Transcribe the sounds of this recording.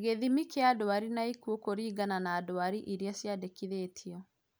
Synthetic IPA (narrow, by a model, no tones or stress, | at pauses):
ɣeðimikeadoaɾinaikuokoɾiːɡananaːdowaɾiʔiɾjasjadekiðeːtʰiɔ